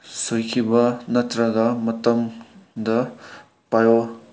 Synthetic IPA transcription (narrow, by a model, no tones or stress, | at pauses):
sojkʰibɐnɐt̪ɾɐɡamɐtɐmd̪ɐ | pajo